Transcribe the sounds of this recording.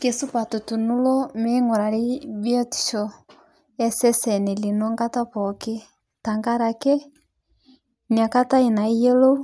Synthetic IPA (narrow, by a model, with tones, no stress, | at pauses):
ke˨su˦pa˨to˨tu˨nu˦lɔ˦me˦ŋo˨ɾa˨ɾi˦bjɔ˦ti̥˨ʃɔ˨ | ɛ˦sɛ˦sɛ˨ne˨li˨nɔ˦ŋɡa˦ta˦pɔke˦ | ta˨ŋɡa˦ɾa˨kɛ˦ | ni˨a˨ka˦ta˦i˨na˨i˦jɛ˦lo˦